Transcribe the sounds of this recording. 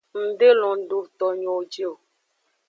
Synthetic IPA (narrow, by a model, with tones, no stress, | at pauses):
n̩˨de˦lɔ̃˨˦ɖu˨t̪ɔ˨ɲɔ̃˨d͡ʒi˦o˨